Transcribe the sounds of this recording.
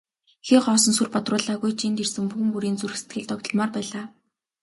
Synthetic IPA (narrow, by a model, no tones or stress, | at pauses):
xiːɢɔːsɞ̆nsurpɔt̪rʊːɮaːɣujt͡ɕʰint̪ersɘ̆ŋpuxɘ̆ŋpuɾiːnt͡surɘ̆xse̥t̪ɡɘ̆ɮt̪ɔkt̪ɞ̆ɮmɔːrpæːɮaː